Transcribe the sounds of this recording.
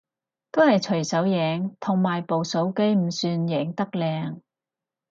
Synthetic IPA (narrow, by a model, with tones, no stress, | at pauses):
t̪o˥whɐ˨jt͡ʃʰɵ˨˩ɥsɐ˨˥wjɛː˨˧ŋt̪ʰʊ˨˩ŋmaː˨˩jpo˨wso˨˥wke˥jm̩˨˩syː˧njɛː˨˩ŋt̪ɐ˥k̚lɛː˧ŋ